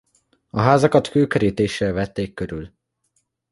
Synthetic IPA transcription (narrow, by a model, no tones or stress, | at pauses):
ɒɦaːzɒkɒt̪køːkøɾiːt̪eːʃːɛlvɛt̪ːeːkːøɾyl